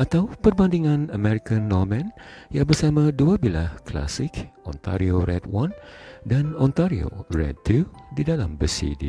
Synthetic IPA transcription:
ʔat̪awpərbandiŋãnəmɛɾikãnːɔmɛ̃njabərsamãduabilahkla̰sɪkʔɔ̰̃nt̪a̰ɾioɾɛt̪̚wandanɔ̃nt̪aɾio̰rɛ̰tːudidalambəsḭdḭ

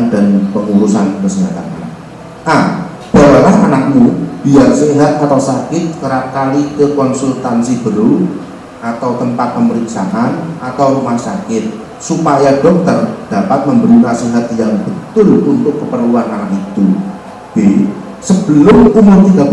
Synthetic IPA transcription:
ndanpəŋuɾusankərsəat̪a̰ʔa̰n | ʔa | b̥awalaɦanak̚mub̥iarseɦat̪̚at̪awsakɪt̪̚kəɾap̚kalikəkɔnsult̪ansibəɾʊl | ʔat̪awt̪əmpat̪̚pəməɾiksaɦanat̪awɾumahsakɪt̪̚ | supajadɔk̚t̪ərd̥apat̪̚məmbəɾinasiɦat̪jaŋbət̪ʊlunt̪ʊkːəpərluanaanit̪u | b̥e | səb̥əlʊmumʊrt̪ida

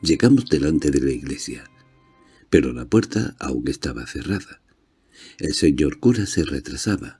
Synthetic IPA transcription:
ɟ͡ʝe̞ɣamo̞zðe̞lant̪e̞ðe̞laiɣle̞sja | pe̞ɾo̞lapwe̞ɾt̪a̰a̰wŋe̞st̪aβa̰θe̞raða | e̞lse̞ɲo̞ɾkuɾase̞re̞t̪ɾasaβa̰

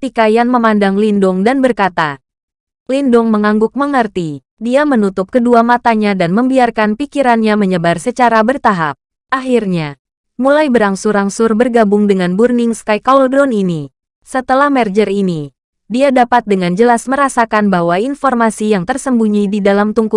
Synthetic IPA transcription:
ət̪ikajaŋməmandaŋlindʊŋdanbərkat̪a | lindʊŋməŋaŋɡʊk̚məŋərt̪i | diamənut̪ʊp̚kəduamat̪aɲadanməmbiarkanpikiɾanɲaməɲəbarsət͡ʃaɾabərt̪aɦap̚ | ʔaɦirɲa | mulajbəɾaŋsʊɾaŋsʊrbərɡabʊŋdəŋanburniŋskajkaldɾɔnini | sət̪əlahmɛrd͡ʒərini | diadapat̪̚dəŋand͡ʒəlasməɾasakanbahwainfɔrmasijaŋt̪ərsəmbuɲididalamt̪uŋku

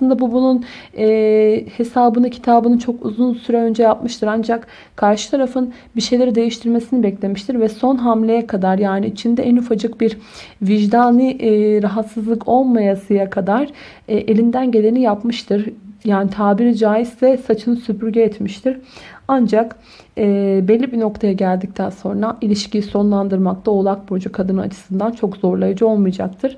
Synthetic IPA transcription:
slˠɯnd̪abubununɛːhe̞saːbɯnɯcʰi̥t̪ʰaːbɯnɯnt͡ʃʰo̞kṵzunsyɾɛø̞nd͡ʒɛjapmɯʃt̪ʰɯɾand͡ʒak | kʰːaɾʃɯ̥t̪ʰaɾafɯn | biʃe̞jlʲe̞ɾid̪e̞jiʃt̪ʰiɾme̞sinibɛclʲe̞miʃt̪ʰiɾvɛso̞nɦamlʲe̞jɛkʰad̪aɾjaːniit͡ʃʰind̪ɛʔɛnyfad͡ʒɯkbiɾviʒd̪aːniʔɾaɦat̪sɯzlˠɯkʰo̞lˠmajasɯjakʰad̪aɾ̥ | ɛʔelʲind̪ænɟe̞lʲenijapmɯʃt̪ʰɯɾjaːnit̪ʰaːbiɾid͡ʒaːjizt̪ɛsat͡ʃʰɯnsypʰyɾɟɛːt̪miʃt̪ʰiɾand͡ʒak | ɛːbɛlʲːibino̞kt̪ʰajaɟælʲd̪ic̚t̪ʰænso̞̰nɾaʔilʲiʃcʰijiso̞nlˠand̪ɯɾmak̚t̪ʰao̞lˠak̚boɾd͡ʒakʰad̪ɯnɯat͡ʃʰɯ̥sɯnd̪ant͡ʃʰo̞kz̥o̞ɾlˠajad͡ʒɯo̞lˠmɯjd͡ʒa̰k̚t̪ʰɯɾ̥

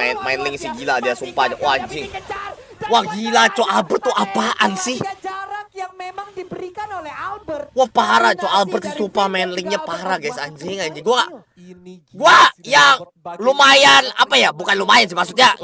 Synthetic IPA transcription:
maɛnlɪŋsɪɡiladiasupawaaɲd͡ʒɪŋ | waɡilat͡ʃoʔalbərt̪ːuʔapaʔa̰nsɪh | wahpaɾat͡ʃoalbərsisupamaɛnlɪŋɲapaɾaɡajsaɲd͡ʒɪŋaɲd͡ʒiɡuaŋaʔ | ɡuaja | lumajana̰pajabukanlumajansɪhmaksut̪̚ɲa

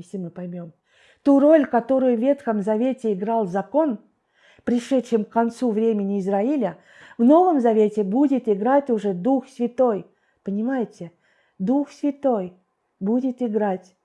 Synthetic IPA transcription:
jesʲlʲɪmɨpɐjmʲom | t̪uro̞lʲkɐt̪o̞ɾʊjʊvːʲe̞t̪xəmzɐvʲetʲɪɪɡɾɑlˠzɐko̞n | pɾʲɪʂɛtʃɪmkkːɐnt̪suvɾʲemʲɪnʲɪːzɾaɪlʲə | vno̞vəmzɐvʲetʲɪbudʲɪt̪ɪɡɾatʲʊʐɛd̪uxsʲvʲɪt̪o̞j | pənʲɪmajɪtʲɪ | d̪uxsʲvʲɪt̪o̞j | budʲɪt̪ɪɡɾatʲ

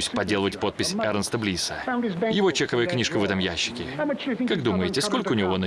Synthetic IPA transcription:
sʲpɐdʲːe̞lˠəvətʲpo̞t̪̚pʲɪsʲɛɾənst̪əblʲisə̰njɪvo̞t͡ɕexəvəjəknʲiʂkəvɛt̪əmjæɕːɪ̥kʲɪkaɡd̪uməjɪtʲɪsko̞lʲkəʊnʲɪvo̞nə

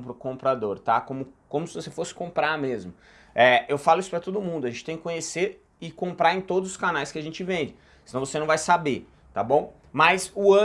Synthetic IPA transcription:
pɾʊkõmpɾad̪oɾt̪akõmʊkõmʊsɪvosefosɪ̥kõmpɾaɾmezmʊ | ɛewfalʊisʊ̥pɾɐt̪od̪ʊmũnd̪ʊɐʒẽtt͡ʃɪ̥t̪ẽkɪkõɲeseɾ | ɪkõmpɾaɾẽj̃t̪od̪ʊzʊskanajskɪɐʒẽnt͡ʃɪvẽd͡ʒɪ | sɪnɐ̃w̃vosenɐ̃w̃vajsabe | t̪abõw̃ | mɐzʊɐ

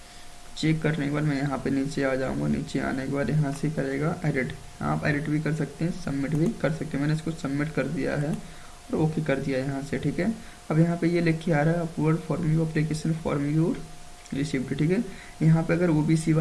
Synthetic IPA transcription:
t͡ʃeːkːɐɾnekebaːɾmɛ̃ːjɐɦãpeniːt͡ʃeaːd͡ʒaːṵ̃ːŋɡanḭːt͡ʃea̰ːnekebaːd̪jɐɦãsekɐɾeːɡaʔeːɖɪʈ | a̰ːpeːɖɪʈbʱikɐɾsɐk̚t̪eɦɛ̃sɐbmɪʈbʱikɐɾsɐk̚t̪eɦɛmɛ̃ːneɪskosɐbmɪʈkɐɾd̪ija̰ɦɛ | ɔːɾoːkekɐɾd̪ijajɐɦãseʈʰiːkɦɛː | ɐbjɐɦãpejelekʰːiaːɾaɦɛɐpʋəɾɖfɔːɾmjuɐplikeːʃənfɔ̰ːɾmjuːɾ | ɾɪsibʈʈʰiːkɦɛ | jɐɦãpeɐɡəɾoːbʱisib

